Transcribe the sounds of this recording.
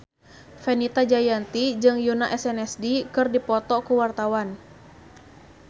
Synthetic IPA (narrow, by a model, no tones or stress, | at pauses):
fɛnit̪ad͡ʒajant̪id͡ʒɨŋjunaʔɛsɛnɛsdikɨrdipɔt̪ɔkuwart̪awan